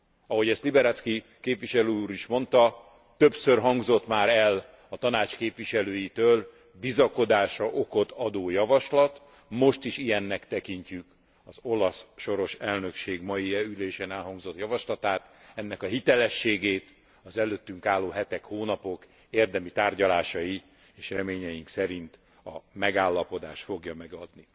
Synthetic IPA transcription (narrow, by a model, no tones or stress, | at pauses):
ɒɦo̞ɟɛst̪libɛɾɛt̪ski | keːpʋiʃɛløuːɾiʃmo̞nt̪ɒ | t̪ø̞psørɦɒŋɡzo̞t̪maːɾɛl | ɒt̪ɒnaːt͡ʃkeːpʋiʃɛløːjit̪øːl | bizɒko̞d̪aːʃɒʔo̞ko̞t̪ɒd̪oːjɒvɒʃlɒt̪ | mo̞ʃt̪iʃijɛnːɛkt̪ɛkiɲcyk | ɒzo̞lɒsʃo̞ɾo̞ʃɛlnø̞kʃeːɡmɒjiɛyleːʃɛnɛlɦɒŋɡzo̞t̪jɒvɒʃlɒt̪aːt̪ɛnːɛkɒɦit̪ɛlɛʃːeːɡeːt̪ | ɒzɛløːt̪ːyŋkaːlːoːɦɛt̪ɛkhoːnɒpo̞k | eːrd̪ɛmit̪aːrɟɒlaːʃɒji | eːʃrɛmeːɲɛjiŋksɛɾint̪ | ɒ̰mɛɡaːlːɒpo̞d̪aːʃt̪fo̞ɡjɒmɛɡɒd̪ni